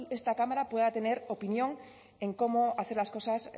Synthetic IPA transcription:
e̞st̪akamaɾapwe̞ðat̪e̞ne̞ɾo̞pinjõ̞ŋ | e̞ŋko̞moaθe̞ɾlasko̞sas

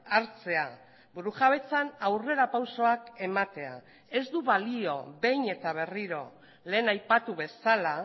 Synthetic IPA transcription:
aɾt͡se̞a | buɾuʝaβ̞e̞t͡sanawre̞ɾapawso̞ake̞mat̪e̞a̰ | e̞zd̪uβalio̞βe̞jne̞t̪aβ̞e̞riɾo̞̰ | le̞ːnajpat̪uβe̞sala

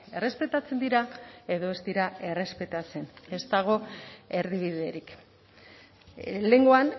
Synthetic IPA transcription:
e̞re̞spe̞t̪at͡se̞nd̪iɾae̞ðo̞ezd̪iɾae̞re̞spe̞t̪at͡se̞ne̞st̪aɣ̞o̞e̞ɾðiβ̞iðe̞ɾik | le̞ŋɡo̞an

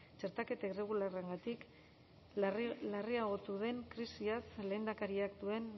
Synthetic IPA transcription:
t͡ʃe̞ɾt̪ake̞t̪aire̞ɣ̞ulareŋɡat̪ik | lariaɣ̞o̞t̪uðe̞ŋkɾisiasle̞ːnd̪akaɾiakd̪ue̞n

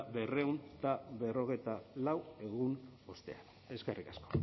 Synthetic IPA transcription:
βe̞re̞unt̪aβe̞ro̞ɣ̞e̞jt̪alawe̞ɣuno̞st̪e̞̰an | e̞skerikasko̥

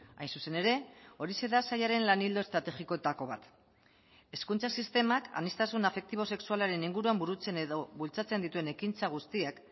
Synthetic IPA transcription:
a̰jnsuse̞ne̞ɾe̞o̞ɾise̞ðasajaɾe̞nlanild̪o̞est̪ɾat̪e̞xiko̞et̪ako̞β̞at̪ | e̞skunt͡sasist̪e̞maka̰nist̪asunafe̞k̚t̪iβ̞o̞se̞ksualaɾe̞niŋɡuɾuambuɾut͡se̞neðoβult͡sat͡se̞nd̪it̪ue̞ne̞kint͡saɣ̞ust̪iak

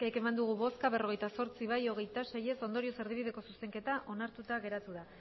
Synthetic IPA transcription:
keke̞mand̪uɣ̞uβo̞skaβe̞ro̞ɣe̞jt̪aso̞ɾt͡siβajo̞ɣ̞e̞jt̪ase̞je̞so̞nd̪o̞ɾio̞se̞ɾð̞iβið̞e̞ko̞suse̞ŋke̞t̪aʔo̞naɾt̪ut̪aɣe̞ɾat̪uða

